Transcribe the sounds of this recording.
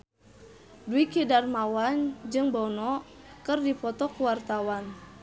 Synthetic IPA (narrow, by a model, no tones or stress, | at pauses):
duikidarmawand͡ʒɨŋbɔnɔ | kɨrdipɔt̪ɔkuwart̪awan